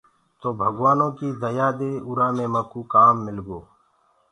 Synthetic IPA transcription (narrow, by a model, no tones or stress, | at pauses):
t̪oːbʱəɡwaːnõːkid̪əjaːd̪eːʊɾaːmẽːməkuːkaːmːɪlɡoː